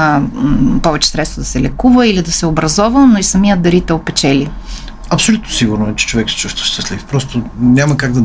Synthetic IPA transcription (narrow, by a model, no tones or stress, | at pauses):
pɔvɛt͡ʃɛ̥sɾɛt̪st̪vod̪ɐsɛlɛkuvəilid̪ɐsɛʊbɾɐzɔvənoisɐmiəd̪ɐɾit̪ɛopɛt͡ʃɛli | ɐpsolʲut̪nosiɡʊɾnʊɛt͡ʃɛ̥t͡ʃovɛksɛ̥t͡ʃust̪və̥ʃt̪ɐslifpɾɔst̪onʲamɐkaɡ̚d̪ɐ